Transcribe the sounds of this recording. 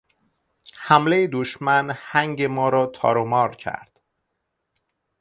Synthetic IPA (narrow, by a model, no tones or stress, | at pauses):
hæmle̞jed̪oʃmænhæŋɟemɒːɾɒːt̪ʰɒ̰ːɾomɒːɾcʰæ̰ɾd̪̥